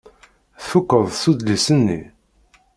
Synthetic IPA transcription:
θukːəðˤθud̪lisənːḭ

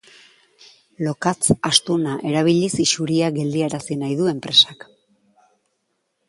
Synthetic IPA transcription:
lo̞kat͡sast̪unaʔe̞ɾaβ̞iʎisiʃuɾiaɡe̞ld̪ieɾasinajðue̞mpɾe̞sak

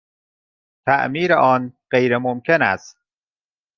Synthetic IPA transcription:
t̪ʰæ̰ʔmiːɾeʔɒːnɢejɾemomcʰe̞næ̰st̪

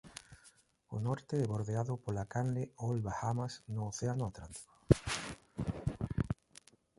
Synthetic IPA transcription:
ʊ̰nɔɾt̪eeβoɾðeaðʊpolakanleolβahamasnʊːθeanʊat̪ɾant̪i̥ko̥

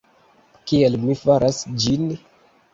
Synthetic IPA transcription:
kiɛlmifaɾʔasd͡ʒini

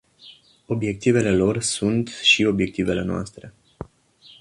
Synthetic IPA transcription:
o̞bje̞k̚t̪ive̞le̞lo̞rsunt̪ʃio̞bje̞k̚t̪ive̞le̞noa̰st̪ɾe̞

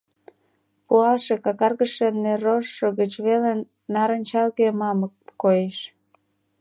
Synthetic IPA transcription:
puɑlʃekɑkɑrɣəʃeneɾoʃːoɣət͡ɕβelen | nɑɾənʲt͡ɕɑlkemɑmək̚kːojeʃ

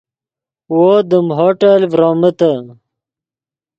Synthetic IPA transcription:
wod̪əmɦoʈelvɾoːmət̪ə

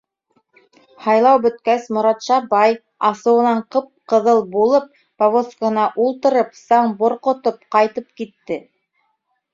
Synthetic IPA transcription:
hɑjlˠɑwbɵ̆t̪̚kæsmŏɾɑt̪ʃɑbɑj | ɑsɤ̆wɤ̆nɑɴqɤp̚qɤ̆ðɤlˠbulˠɤp̚ | povoskahɤ̆nɑʔulˠt̪ɤ̆ɾɤpsɑɴbŏɾqŏt̪op̚qɑjt̪ɤp̚kit̪ːɘ

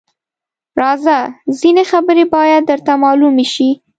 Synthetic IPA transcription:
ɾɑzazinexabəɾebɑjad̪̚ːəɾt̪amɑlumeʃi

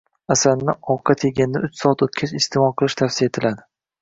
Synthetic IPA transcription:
asannːɪɒwqʰɑt̪ʰeɡʲanɪd̪aʊt͡ʃsɒat̪ot̪̚kʲʰat͡ʃɪst̪ʰɪmɒlˠqʰɨlˠɪʃt̪ʰafsijat̪ʰɪlad̪ɪ

